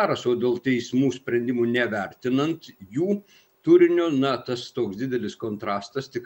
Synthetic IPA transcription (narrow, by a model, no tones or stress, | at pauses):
ɑːɾɐsoːd̪ʲeːlˠt̪ʲɛɪsmuːsʲpʲɾʲɛnʲd̪ʲɪmuːnʲɛʋʲɛɾʲt̪ʲɪnɐnt̪juː | t̪ʊɾʲɪnʲoːnɐt̪ɐst̪oːksd̪ʲɪd̪ʲɛlʲɪskoːnt̪ɾɑːst̪ɐst̪ʲɪk